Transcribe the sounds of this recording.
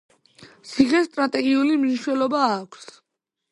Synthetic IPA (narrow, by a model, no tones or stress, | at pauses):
t̪sʰiχɛst̪ʼɾat̪ʼɛɡiulimniʃwɛlɔbaːkʷʰs